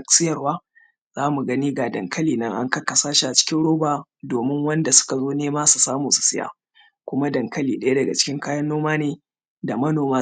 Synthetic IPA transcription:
sɪ˦jɐ˨rwaː˦ | z̥aː˦mu˨ɡɐ˦niː˦ɡaː˨dɐ˨ŋkʰɐ˦liː˨nɐ˦ŋʔa̰˦ŋkɐ˦kːɐ˨saː˦ʃi˦˨ʔa˨t͡ʃɪ̥˦kʲɪ˦nɽoː˦baː˨ | doː˨mɪ˦ŋwɐ˦nda˨sʊ̥˦ka˨zoː˦neː˦maː˦su˨saː˦muː˨su̥˨sɪ˦ja̰ː˨ | kʷʊ˦ma˦dɐ˨ŋkɐ˦liː˨ɗɐ˦ja˦dɐ˨ɡa̰˨t͡ʃɪ̥˦kʲɪ˦ŋkaː˦jɐ˦nːoː˦maː˦neː˨ | da˨mɐ˦noː˨maː˦

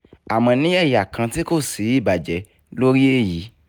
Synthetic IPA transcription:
a˨mɔ̃˧nĩ˨˦ɛ˦˨ja˨kʰã˧ti˦ko˦˨si˨˦i˦˨ba˨d͡ʒɛ˨˦ | lo˦ɾi˦e˦˨ji˨˦

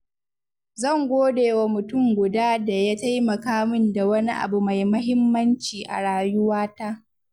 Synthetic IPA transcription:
zɐ˦˨ŋɡʷoː˦deː˨wa˨mʊ˨tʊ˦˨ŋɡʷʊ˨daː˦da˨ja˦ta˦jmɐ˨kaː˦mʊ˦nda˨wɐ˦ni˦ʔa̰˨bu˨ma˨jmɐ˦ɦɪ˦mːɐ˦nt͡ʃiː˨ʔa̰˨ɽaː˨jʊ˦waː˦ta˦

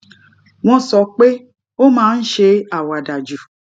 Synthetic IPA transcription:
w̃ɔ̃˧sɔ˨˦k͡pe˦ | o˦mãː˦n̩˦ʃe˧a˨wa˨da˨d͡ʒu˨

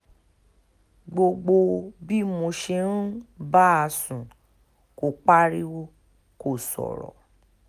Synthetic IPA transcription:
ɡ͡bo˧ɡ͡bo˧bi˦mo˧ʃe˧ñ̩˦ba˦a˧sũ˨ | ko˨k͡pa˦ɾi˦wo˦ | ko˦˨sɔ̰˨ɾɔ̰˨

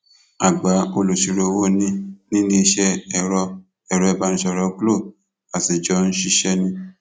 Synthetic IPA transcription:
a˨ɡ͡ba˨˦o˧lo˨ʃi˧ɾo˧wo˦nĩ˧nĩ˦nĩ˦˧ʃɛ˧ɛ˨ɾɔ˧ | ɛ˨ɾɔ˨˧ɛ˦˨ba˧ñ̩˦ʃɛ˧˨ɾɔ˧˦klo˦˨ | a˨ti˨d͡ʒɔ˧˦n̩˦ʃi˦˧ʃɛ˦˧nĩ˧

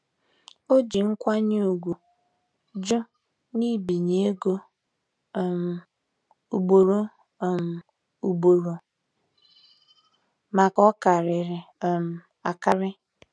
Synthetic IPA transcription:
o˦d͡ʒi˨ŋ̩˦kʷa˦ɲe˦o˨ɡʷu˨ | d͡ʒʊ˦ | ni˦bi˨ɲe˦e˦ɡo˦˨ | m̩˨ | u˨ɡ͡bo˨ɾo˦˨ | m̩˨ | u˨ɡ͡bo˨ɾo˨ | ma˨kɔ˦ka˨ɾɪ˨ɾɪ˨m̩˨ | a˨ka˦ɾɪ˦

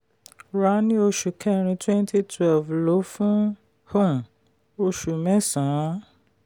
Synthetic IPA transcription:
ɾa˨˦nĩ˦o˧ʃu˨kʰɛ˦˨ɾ̃ĩ˧twɛ̃˦ntʰi˦tʰwɛ˦˨lvlo˨˦fũ˦ | hõ˦˨m˨ | o˧ʃu˨mɛ̃˦sã˨˦

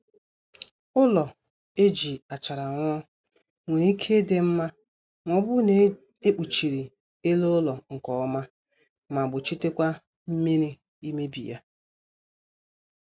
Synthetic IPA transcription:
ʊ˦lɔ˨ | e˦d͡ʒi˨a˨t͡ʃa˨ɾa˨ŋʷ˦ɔ˦ | ŋʷe˨ɾi˦i˦kʰe˦de˨m̩˦ma˦ | ŋʷɔ˨bʊ˦ne˦ | e˦k͡pu˨t͡ʃi˨ɾi˨ | e˦lo˦ʊ˦lɔ˨ŋ̩˨kɔ˨ɔ˦ma˦ | ma˨bʊ˨t͡ʃi˦te˦kʷa˦ | m̩˦mi˦ɾi˦ | i˦me˦bḭ˨ja̰˦

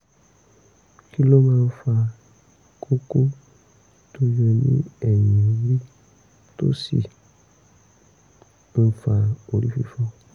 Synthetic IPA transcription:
ki˦lo˦mã˧˦fa˧ | kʰo˦ko˦ | to˦jɛ˧nḭ̃˦ɛ˨jĩ˨ɾi˦ | to̰˦sḭ˨ | n̩˦˨fa˨o˨ɾi˦fḭ˦fɔ˦

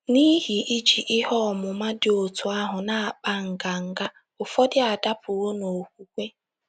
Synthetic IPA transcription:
ni˦ɦi˨ʔi˦d͡ʒi˨ʔɪ˦hɔ˦˨mʊ˨ma˦dɪ˨o˨tu˨a˦ɦʊ˨na˨a˨k͡pa˦ŋ̩˨ɡa˨ŋ̩˨ɡa˦ | ʊ˨fɔ˦dɪ˦a˨da˦pʊ˨wo˦no˨kʷu˦kʷe˦

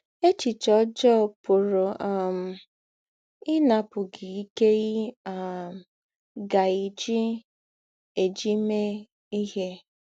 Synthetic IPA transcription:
e˦t͡ʃi˨t͡ʃɔ˦d͡ʒɔ˦˨pʊ˨ɾʊ˨ʔa˨m̩˨ | ɪ˦na˨pʊ˨ɡɪ˨i˦ke˦ɣi˦a˨m˨ | ɡa˨i˨d͡ʒi˦ | e˨d͡ʒi˦me˦ | i˦ɦe˦

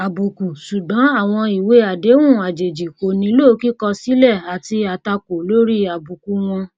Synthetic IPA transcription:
a˨bu˨ku˨su˨ɡ͡bɔ̃˨˦a˦˨w̃ɔ̃˧i˨we˨˦a˨de˨˦wũ˦˨a˨d͡ʒe˨d͡ʒi˨ko˨nĩ˧˦lo˦˨˦ki˦kɔ˧si˨˦lɛ˦˨a˨ti˧a˨ta˧ko˨lo˦ɾi˦a˨bu˨ku˨˦w̃ɔ̃˧

